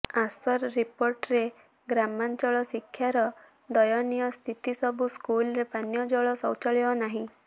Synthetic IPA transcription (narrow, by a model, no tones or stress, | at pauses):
asɔɾɾipoɾʈɾe | ɡɾamant͡ʃɔɭɔsikʰːjaɾɔ | d̪ɔjɔnijɔst̪ʰit̪isɔbʱuskulɾepanjɔd͡ʒɔɭɔsɔwt͡ʃɔɭiɔnaɦĩ